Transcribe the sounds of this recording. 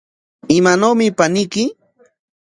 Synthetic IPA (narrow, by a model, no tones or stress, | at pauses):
ɪmanowmɪpanɪjkɪ